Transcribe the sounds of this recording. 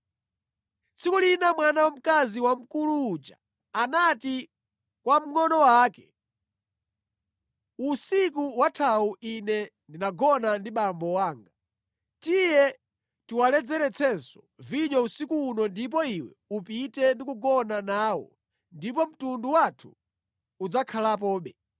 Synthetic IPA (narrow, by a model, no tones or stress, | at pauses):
t͡sʰikulinamwanawam̩kaziwam̩kuluːd͡ʒa̰ | anati | kwam̩ŋɔnɔwaːkɛ | usik̬uwatʰawuinɛndinaɡɔnandiɓambɔwaːŋɡa | tijɛ | tiwalɛd͡zɛɾɛt͡sʰɛnsɔ̥ | viɲɔusikuːnɔndip̬ɔiwɛ̰ | upitɛndikuɡɔnanaːwɔ̰ | ndip̬ɔm̩tunduwatʰṵː | d͡zakʰalap̬ɔːɓɛ